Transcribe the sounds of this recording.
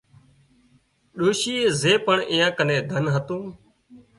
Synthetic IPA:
ɗoːʃiːeːzeːpəɳɪ̰̃ːjãːkənẽːd̪ʱənɦət̪ũː

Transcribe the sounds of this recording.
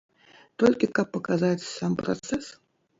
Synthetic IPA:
t̪ɔlʲkʲikɐpːɐkazat͡sʲsampɾa̰t̪sɛs

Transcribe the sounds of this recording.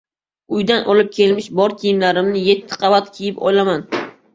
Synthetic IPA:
ʊjd̪anʔɒlˠɪp̚kʲʰe̞lmɪʃbɒɾt̪ʲʰijɪmlaɾɪmnɪje̞t̪ʰːɪ̥qʰɑvat̪kʲʰijɪpɒ̰jlaman

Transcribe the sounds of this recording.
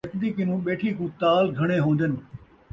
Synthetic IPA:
ɐkd̪iːkɪnũːɓeːʈʰikũːt̪aːlɡʱɐɽ̃eɦõːnd̪ənɪ̆

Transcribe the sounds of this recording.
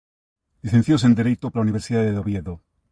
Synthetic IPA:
liθen̟θjos̬end̪eɾejt̪oplauniβeɾsiðaðeðoβjeðo

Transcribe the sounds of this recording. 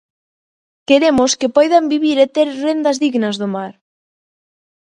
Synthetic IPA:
keɾemʊskepɔjðambiβiɾet̪eɾrend̪ɐzðiɣnɐzðomaɾ

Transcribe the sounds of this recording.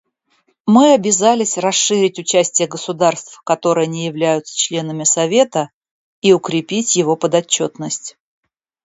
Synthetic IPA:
mɨɐbʲɪzalʲɪsʲrɐsɨɾʲɪtʲʊt͡ɕæsʲtʲɪjəɡəsʊd̪arst̪fkɐt̪o̞ɾɨjənʲɪjɪvlʲæjʊt̪sə̥t͡ɕlʲe̞n̪əmʲɪsɐvʲe̞t̪ə | iʊkɾʲɪpʲitʲjɪvo̞pəd̪ɐt͡ɕːo̞t̪nəsʲtʲ

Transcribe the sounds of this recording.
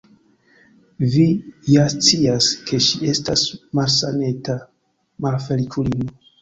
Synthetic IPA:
vijast͡siaskʰe̞ʃie̞stasmalsa̰ne̞ta | malfe̞likʰulimo

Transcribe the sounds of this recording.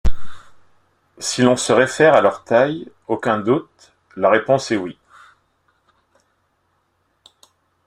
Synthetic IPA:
silɔ̃səʁefɛʁalœʁt̪aj | okʲɛ̃d̪ut̪ | laʁepɔ̃sɛwi

